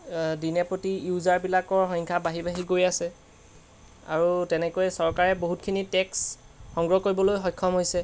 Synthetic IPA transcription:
dinɛpɹotijuzaɹbilakɔɹɦɔŋkʰabaɦibaɦiɡojasɛ | a̰ɹutɛnɛkojɛsɔɹkaɹɛboɦutkʰinitɛks | xɔŋɡɹɔkoɹibɔlojɦɔjkʰːɔmɦojsɛ

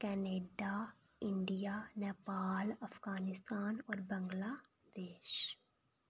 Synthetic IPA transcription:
kɛːneːɖa | ɪ̃ɳɖijanɛːpaːlɐfʰɡaːnɪst̪aːnɔːɾbə̃ŋɡlaː | d̪̥eːʃ

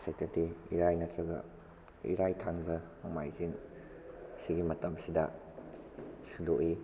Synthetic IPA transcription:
setetiiɾajnɐtɐɡɐ̰ | ḭɾajtʰaŋzɐmomajziŋ | siɡimɐtɐmsidɐ̰ | sudoʔi

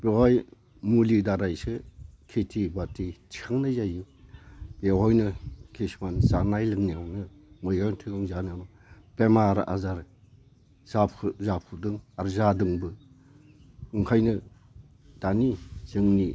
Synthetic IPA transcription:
b̥ehɔj | mulidaɾajsɯkʰetʰibatʰitʰi̥kʰaŋnajzajɯ | b̥eɦɔjnɯkʰismanzanajlɯŋniawnɯ | mɯjɡaŋtʰɯɡaŋzanɯanɔ | pemaɾa̰zaɾ | zapʰzapʰudɯŋaɾzadɯŋbɯ | ɯŋkʰajnɯ | d̥anisɯŋni

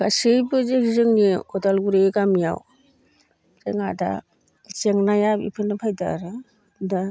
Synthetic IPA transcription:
ɡ̥asɯjbɯzeɡizɯŋnikɔdalɡuɾeɡamja̰w | zeŋada̰ | zeŋnajabḭpʰɯnɯpʰajda̰ɾɯ | da

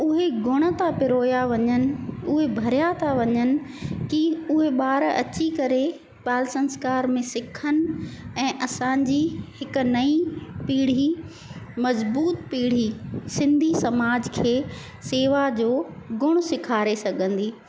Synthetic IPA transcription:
ʊɦeɡʊɽ̃ə̆t̪ʰapɪɾoːjaʋɐɲənɪ̆ʊɦebʱɐɾjat̪ʰaʋɐɲənɪ̆kiʊɦeɓaːɾɐ̰t͡ɕikɐɾe | paːlsɐ̃nskaːɾmẽsɪkʰənɪ̆ɛ̃ːʔɐsãːɲd͡ʑihɪkʊ̆nɐipiːɽ̤i | mɐzbuːt̪piːɽ̤isɪ̃nd̪ʱisɐmaːd͡ʑkʰeː | seːʋad͡ʑoːɡʊɽ̃sɪkʰaːɾesɐɡʱə̃nd̪iː

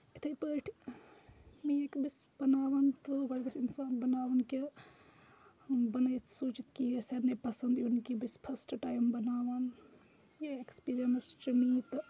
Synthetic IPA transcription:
it̪ʰɐjpəʈʰ | miekbisbɐnaːʋɐnt̪obɐɾbɐsinsaːnbɐnaːʋɐnke | bɐnɐjt̪sut͡ʃit̪kijeseɾnepɐsɐnd̪inkibispʰɐsʈʈaːjmbɐnaːʋɐn | jaekspiːɾijɐmst͡ʃɐmit̪

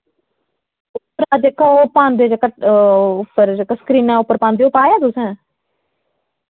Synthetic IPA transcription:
ʊpːəɾad͡ʒekopaːnd̪ed͡ʒkəʈʊpːəɾkəsə̥kɾiːnɛ̃ːʊpːəɾpãːnd̪eopaːjaːt̪ʊsɛ̃ː

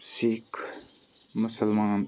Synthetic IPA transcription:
sik | mʊsəlmaŋ

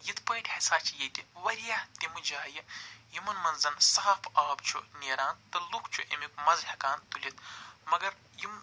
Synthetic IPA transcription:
jit̪ʰpɐːʈʲhɐsaːt͡ʃʰijet̪ʲiʋɐɾijat̪ʲimud͡ʒaːjɐjimɐnmɐnzɐnsɐɦɐfʰaːbt͡ʃʰṵnʲeːɾaːnt̪ɐlukʰt͡ʃʰuʔḛmikmɐzhɐkaːnt̪ulʲit̪mɐɡɐɾ | jim

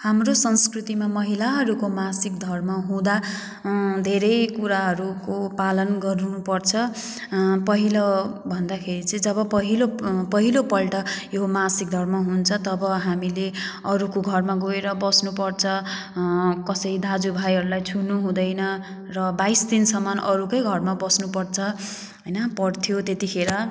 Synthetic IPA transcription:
hamrosʌnskrut̪imamʌɦilaɦʌɾukomasikd̪ʱʌrmʌɦũd̪a | d̪ʱeɾʌjkuɾaɦʌɾukopalʌnɡʌɾunupʌrt͡sʰʌ | pʌɦilʌbʱʌnd̪akʰeɾit͡sʌĩd͡zʌβʌpʌɦilopʌɦilopʌlʈʌjomasik̚d̪ʱʌrmʌɦunt͡sʰʌt̪ʌbʌɦamileʌɾukoɡʱʌrmaɡoeɾʌbʌsnupʌrt͡sʰʌ | kʌsʌɾid̪ad͡zubʱajɦʌɾulajt͡sʰunuɦũd̪ʌjnʌ | rʌbajsd̪insʌmʌnʔʌɾukʌjɡʱʌrmabʌsnupʌrt͡sʰʌ | ɦʌjnʌpʌɽt̪ʰjot̪et̪ikʰeɾʌ

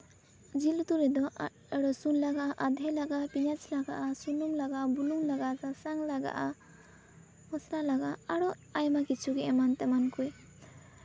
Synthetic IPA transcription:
d͡ʒilt̪uɾɛd̪ɔ | aɽɔsunlaɡaʔaʔad̪ʱɛlaɡapiɲat͡ʃlaɡaʔasunumlaɡaʔbulumlaɡaʔsasaŋlaɡa̰ʔa | ɔsɾalaɡaaɽɔ | ajmakit͡ʃʰuɡɛʔɛmant̪ɛmankuj

